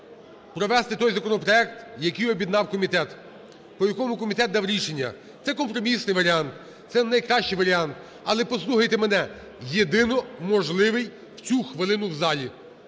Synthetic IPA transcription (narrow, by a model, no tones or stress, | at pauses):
pɾɔʋɛst̪ɪt̪ɔjzɐkɔnɔpɾɔɛk̚t̪jɐkɪjɔbʲjid̪nɑwkɔmʲit̪ɛt̪ | pɔjɐkɔmʊkɔmʲit̪ɛt̪̚d̪ɑwɾʲiʃe̞nʲːɐ̰ | t̪sɛkɔmpɾɔmʲisnɪjʋɐɾʲiɑnt̪ | t̪sɛnɐjkɾɑʃt͡ʃɪjʋɐɾʲiɑnt̪ | ɐlˠɛpɔslˠuxɐjt̪emenɛ | jed̪ɪnɔmɔʒlˠɪʋɪj | wt͡sʲuxʋɪlˠɪnʊwzɑlʲi